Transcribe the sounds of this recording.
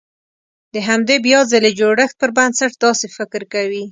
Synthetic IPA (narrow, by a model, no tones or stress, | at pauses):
d̪əɦamd̪ebjɑzaled͡ʒoɽəxt̪̚pəɾbansaʈ̚d̪ɑsefɪkɾkawi